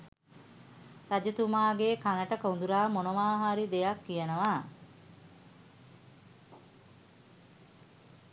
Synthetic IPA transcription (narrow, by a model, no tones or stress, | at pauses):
tad͡ʒɐt̪umaːɡeːkanəʈəkəund̪uɾaːmonoʋaːɦaɾid̪ejakːijənəʋaː